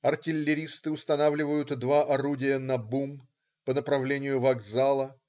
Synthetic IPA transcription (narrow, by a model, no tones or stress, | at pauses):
ɐrtʲɪlʲːɪɾʲist̪ɨʊst̪ɐnavlʲɪvəjʊt̪d̪vaʔɐɾudʲɪjənɐbum | pənəpɾɐvlʲenʲɪjʊvɐɡzalˠə